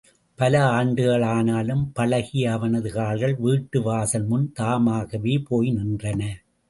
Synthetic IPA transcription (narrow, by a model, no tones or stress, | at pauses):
pɐlɐaːɳɖɯɣɐɭaːnaːlɯmpɐlɐɣɪɐʋɐnɐðɯɣaːɭɣɐɭʋiːʈːɯʋaːsɐnmʊnt̪aːmaːɣɐʋeːpoːjnɪndrɐnɐ